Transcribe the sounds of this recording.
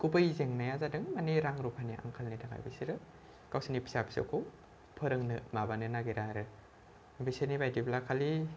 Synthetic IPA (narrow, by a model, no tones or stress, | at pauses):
kubɯjzeŋnajazadɯŋmaniɾaŋɾupʰaniʔa̰ŋkʰalnitʰaŋa̰jbɯ̰siɾɯ | kawsinipʰi̥sapʰi̥sa̰kʰo | pʰɯɾɯŋnɯmabanɯnaɡiɾaɾɯ | bisenibajdiblakʰali